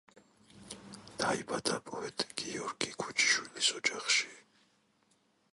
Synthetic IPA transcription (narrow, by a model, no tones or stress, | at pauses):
d̪̥aibad̪apʼɔɛt̪ʼɡ̥iɔɾɡikʰut͡ʃʰi̥ʃwilisɔd͡ʒaχʃi̥